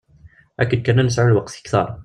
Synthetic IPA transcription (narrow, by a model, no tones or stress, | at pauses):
ʔækəd̪̚kanːænəs̬ʕʊɾlwɑqt̪kt̪ɑ̰ɾˤ